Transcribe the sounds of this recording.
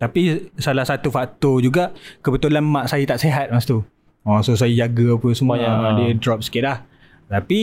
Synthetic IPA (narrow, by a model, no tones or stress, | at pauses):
t̪apisalahsat̪ufak̚t̪ɔd͡ʒuɡaʔkəbət̪ulanmaʔsajit̪aʔseɦat̪̚mast̪u | ɔsos̬ajijaɡəapəsəmudiədɾɔp̚sə̥kit̪̚lah | t̪api